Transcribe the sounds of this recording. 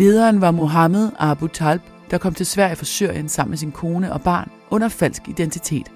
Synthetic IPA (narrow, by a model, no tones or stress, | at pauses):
le̝ːð̞ˠɐːnʋɑ̈mo̝ɦɑməð̞ˠɑb̥ut͡sʰɑlb̥ | d̥ɑ̈kʰɒ̽m̰t͡sʰe̝lsʋæɐ̰jəfɒ̽syɐ̰jənsɑ̈m̰mesinkʰo̝ːnəʔɒ̽b̥ɑ̈ːn | ʔɔ̽n̰ɐfæl̰sɡ̥id̥ent͡sʰit͡sʰe̝̰ːd̥